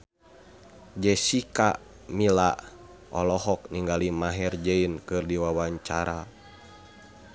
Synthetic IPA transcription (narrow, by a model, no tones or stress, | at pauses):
d͡ʒɛsika | milaʔ | ɔlɔɦɔk̚niŋɡalimaɦɛrd͡ʒɛinkɨrdiwawaɲt͡ʃaɾa